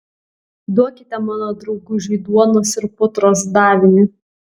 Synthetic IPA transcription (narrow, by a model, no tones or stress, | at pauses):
d̪uɔkʲɪt̪ʲɛmɑːnoːd̪ɾɒʊɡʊʒʲiːd̪uɔnoːsɪɾpʊt̪ɾoːsd̪ɑːʋʲɪnʲɪ